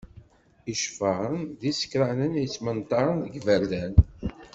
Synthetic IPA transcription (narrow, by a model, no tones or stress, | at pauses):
iʃfəʁənðisə̥kːɾænənit͡sːmənt̪ɑɾˤənðəɡvæɾlæn